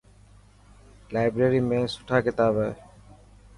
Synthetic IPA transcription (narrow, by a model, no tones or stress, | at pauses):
laːɪbɾeːɾiːmẽːsʊ̥ʈʰaːkɪt̪aːbɛ